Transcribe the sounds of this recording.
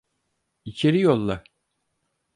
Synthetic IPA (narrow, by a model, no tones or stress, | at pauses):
it͡ʃʰe̞ɾijolˠːa